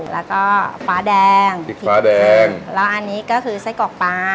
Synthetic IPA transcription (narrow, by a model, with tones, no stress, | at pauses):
lɛː˦˥wkɔː˥˩faː˦˥dɛː˧ŋʰ˨˩˨aː˦˥dɛː˧ŋlɛː˦˥wʔa˧nːiː˦˥kɔː˥˩kʰɯː˧sa˦˥jkɔː˨˩k̚paː˧